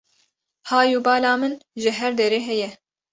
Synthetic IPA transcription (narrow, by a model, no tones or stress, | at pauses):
hɑːjuːbɑːlɑːmɨnʒɪɦɛɾd̪ɛɾeːɦɛjɛ